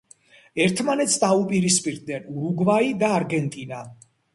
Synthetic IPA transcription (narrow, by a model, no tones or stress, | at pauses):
ɛɾt̪ʰmanɛt̪sd̪aupʼiɾispʼiɾd̪nɛnuɾuɡvaid̪aːɾɡɛnt̪ʼina